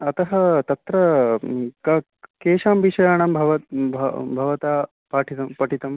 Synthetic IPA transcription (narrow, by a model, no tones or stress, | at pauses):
ɐt̪ɐɦɐt̪ɐt̪ɾɐ | kɐ | keːʃaːmʋiʂɐjaːɳaːmbʱɐʋɐt̪bʱɐ̰bʱɐʋɐt̪aː | paːʈʰit̪ɐmpɐʈʰit̪ɐm